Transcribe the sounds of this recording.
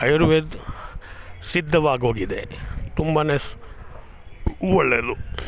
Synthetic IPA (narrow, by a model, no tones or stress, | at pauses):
ɐjɐɾuʋed̪ | sid̪ʱːɐʋaːɡɦoːɡid̪ḛt̪umbɐnes | ʋɐɭːed̪u